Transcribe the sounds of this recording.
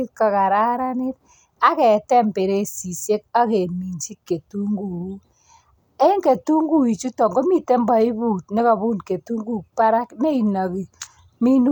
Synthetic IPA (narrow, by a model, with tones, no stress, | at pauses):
i˦t̚ka˨ka˨ɾa˦ɾa˦nɪ˦t̚ | a˦kɛ˨tɛ˦mpe˨ɾe˦si˨sje˦k̚a˦ke˨mi˨nt͡ʃi˦t̚ke˨tu˦ŋɡu˨u˦ | e˦ŋke˨tu˦ŋɡu˦i˨t͡ʃu˦tɔ˨ŋɡo˦mi˨te˦mbɔ˨i˦bu˨t̚ne˦ka˨bu˦nke˨tu˦ŋɡu˨pa˦ɾa˦kne˦i˨na˨ki˨ | mi˦nu˦